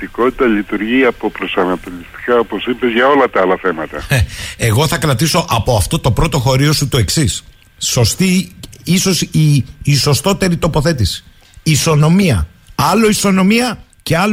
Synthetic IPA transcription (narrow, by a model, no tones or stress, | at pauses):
iko̞t̪it̪ɐlit̪uɾʝiɐpo̞pɾo̞sɐnɐt̪o̞list̪i̥kaopo̞sipezʝɐo̞lɐt̪ɐɐlɐθemɐt̪ɐeeɣo̞θɐkɾɐt̪iso̞ʔɐpo̞ɐft̪o̞t̪o̞pɾo̞t̪o̞xo̞ɾio̞sut̪oe̞ksisː | o̞st̪iiso̞siːso̞st̪o̞t̪e̞ɾit̪o̞po̞θe̞t̪isi̥ | iso̞no̞miɐ | ɐloiso̞no̞miɐ | ce̞ɐl